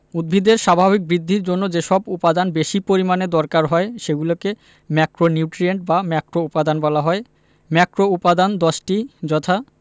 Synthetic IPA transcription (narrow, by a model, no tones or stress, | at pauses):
ud̪̚bʱid̪eɾʃabʱaβik̚bɾid̪ʱːiɾd͡ʑonːod͡ʑeʃɔbupad̪anbeʃipoɾimaned̪ɔɾkaɾɦɔeʃeɡuloke | mɛkɾoniuʈɾieɳʈ̚bamɛkɾoupad̪anbɔlaɦɔe | mɛkɾoupad̪and̪ɔʃʈid͡ʑɔt̪ʰa